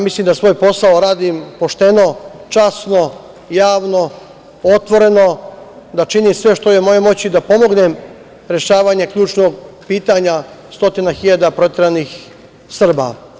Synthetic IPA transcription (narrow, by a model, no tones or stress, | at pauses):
mislimd̪asʋojpo̞saoɾaːd̪impo̞ʃt̪e̞no̞t͡ʃasno̞ | jaːʋno̞ | ot̪ʋo̞ɾe̞no̞d̪at͡ʃiniːmsʋe̞ʃt̪ojemo̞jemo̞t͡ɕid̪apo̞mo̞ɡnem | ɾje̞ʃaːʋaɲekʎuːt͡ʃnoɡpiːt̪aɲa | st̪o̞t̪inaxiʎad̪apɾo̞t̪ʲjʲeɾanix | sr̩ba̰